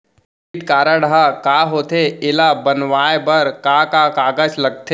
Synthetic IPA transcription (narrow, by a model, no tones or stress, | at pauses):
ɪʈkaːɾaɽakaːɦoːt̪eɪlabɐnʋaːebəɾkaːkakaːɡəd͡ʒlɐɡ̚t̪ʰe